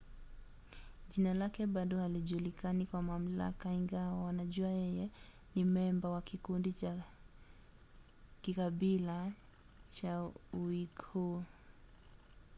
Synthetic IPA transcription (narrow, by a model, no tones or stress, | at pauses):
ʄinalakɛɓaɗɔhaliʄulikanikwamam̩la̰kaiŋɡawawanaʄuajɛjɛ | nimɛmbawakikundit͡ʃa | kikaɓila | t͡ʃauwikuː